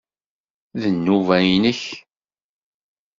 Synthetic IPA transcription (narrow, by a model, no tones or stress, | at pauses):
ðənːuvæjnəç